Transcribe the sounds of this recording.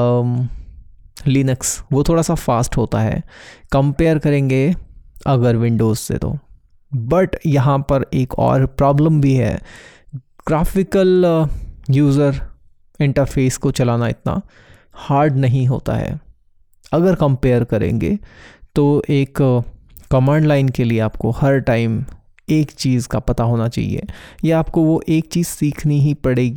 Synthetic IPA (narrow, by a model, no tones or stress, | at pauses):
liːnəksʋot̪ʰoːɽaːsafaːsʈɦoːt̪aɦɛ̰ːkɐ̃mpeːəɾkɐɾẽːŋɡeɐɡəɾʋɪ̃ɳɖoːzsḛt̪o̰ | bɐʈjɐɦãpɐɾeːkɔ̰ːɾpɾɔːblə̃mbʱiɦɛ̰ː | ɡ̥ɾaːfɪkəl | juːzəɾ | ɪ̃ɳʈəɾfʰeːskot͡ʃɐlaːnaɪ̰t̪na̰ | haːɾɖnɐɦĩɦo̰ːt̪a̰ɦɛ̰ː | ɐɡəɾkɐ̃mpeːəɾkɐɾḛ̃ːŋɡḛt̪oʔeːkː | ɐːmãːɳɖlaːɪnkelieaːp̚kohɐɾʈaːɪm | eːkt͡ʃiːzkapɐt̪aɦoːnat͡ʃa̰ːɦḭḛjaaːp̚koʋoʔeːk̚t͡ʃiːzsiːkʰniɦipɐɽeːɡi